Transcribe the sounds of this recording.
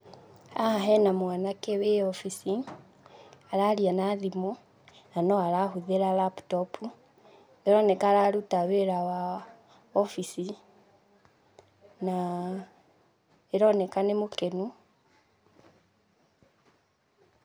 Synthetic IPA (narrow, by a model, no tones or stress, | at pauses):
ahaɦɛnamwanakeweɔfisi | aɾaɾianaðimu | nanɔaɾahuðeɾalapu̥tɔpʰu | eɾɔnɛkaːɾaɾutaweɾawa | ɔfisi | na | eɾɔnɛkanemokenu